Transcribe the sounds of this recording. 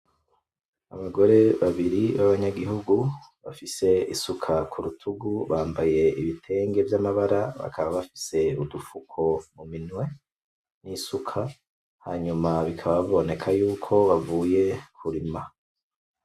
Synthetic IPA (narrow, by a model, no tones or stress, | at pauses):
aβaɡo̞ɾe̞βaβiɾiβaβaɲaɡihuɡu | βafise̞isukʰakʰuɾutʰuɡuβaːmbaje̞iβitʰe̞ːŋɡe̞vjamaβaɾaβa̰kʰaβaβafi̥se̞udufukʰo̞muminwe̞ | nisukʰa | haːɲumaβikʰaβaβo̞ne̞kʰajuːkʰo̞βavuːje̞kʰuɾima